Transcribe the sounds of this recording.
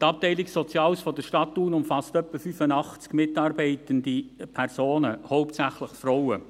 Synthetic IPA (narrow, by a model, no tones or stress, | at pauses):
tɑp̚tɛɪliksɔt͡siɑːlsfɔdəʃtɑtːuːnʊmfɑstœpːəfyfənɑχt͡skmɪtɑːrbɛɪtəndipʰɛrsoːnəhoʊptsæχləχfrɔʊə